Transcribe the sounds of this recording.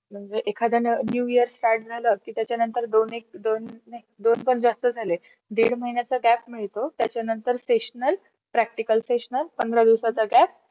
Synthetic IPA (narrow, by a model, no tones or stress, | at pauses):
m̤əɳd͡zeʔekʰad̪ʱənnjujiəɾsfaʈ̚d͡zʱaləkiːt̪jat͡ɕjanənt̪əɾd̪onek̚d̪onːajd̪onpəɳd͡zast̪əd͡zʱale | d̪eɽməɦinjat͡səɡæpmiɭt̪ot̪jat͡ɕjanənt̪əɾseɕnəl | pɾæk̚ʈikəlseɕənəlpənd̪ɾad̪iʋsat͡saɡæp̚